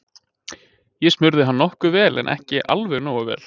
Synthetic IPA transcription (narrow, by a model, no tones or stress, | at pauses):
jɛsmʏɾðɪɦanːɔhkʏvɛːlʔɛ̰nʔɛ̰hcɪʔa̰lvɛɣnoːwavɛ̰ːl